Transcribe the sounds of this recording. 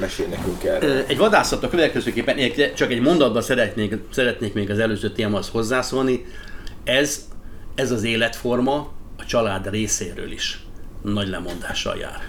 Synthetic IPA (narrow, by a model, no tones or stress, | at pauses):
mɛʃeːlnɛkyŋkɛrɛɟʋɒd̪aːsɒt̪ɒkøvɛt̪̚kɛzøːkeːpːɛnʔɛɛkɛt͡ʃɒkɛɟmo̞nd̪ɒd̪̚bɒsɛɾɛt̪nesɛɾɛt̪neːkmeːɡɒzɛløːzøːt̪eːmɒst̪ho̞zːaːsolni | ɛzɛzɒzeːlɛt̪fo̞rmɒɒt͡ʃɒlaːd̪reːseːɾø̰ːlḭʃnɒɟlɛ̰mo̞nd̪aːʃːɒ̰lja̰ːr